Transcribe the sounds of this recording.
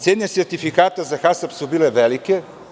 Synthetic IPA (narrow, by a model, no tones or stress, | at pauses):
t̪sɛd̪nʲɛsɛɾt̪ifikat̪azaxasɐpsobilɛvɛlikɛ